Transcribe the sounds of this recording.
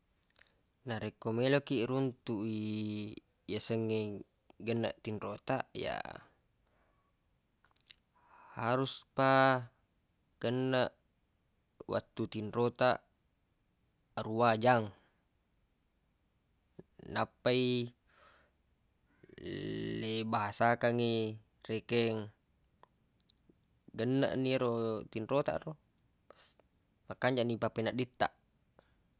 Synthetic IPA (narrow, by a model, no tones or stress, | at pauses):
naɾekomelokiʔɾunt̪uʔi | jasəŋːe | ɡənːa̰ʔt̪inrot̪aʔja̰ | haɾuspa | ɡ̥ənːaʔʔ | wa̰t̪ːut̪inrot̪aʔ | ruad͡ʒaŋ | napːai | lebaɦasakaŋi | rekɛŋ | ɡənːa̰ʔniɾot̪inrot̪a̰ɾo | s | makaɲd͡ʒaʔnipapenaʔdit̪ːa̰ʔ